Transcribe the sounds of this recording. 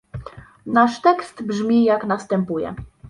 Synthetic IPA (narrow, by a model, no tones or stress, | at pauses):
naʂt̪ɛkst̪bʐmʲijaknast̪ɛmpujɛ̰